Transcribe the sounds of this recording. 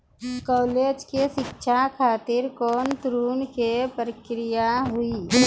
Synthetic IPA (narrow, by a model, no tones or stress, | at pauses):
kɔːleːd͡ʒkeʃɪkʃʰakʰaːt̪ɪɾkɔːnt̪ɾuːnkepɾəkɾɪjaɦʊiː